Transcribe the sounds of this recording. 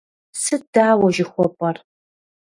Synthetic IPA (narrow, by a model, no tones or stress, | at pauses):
sɨd̥aːwɐʒɪxʷɔpʼɐr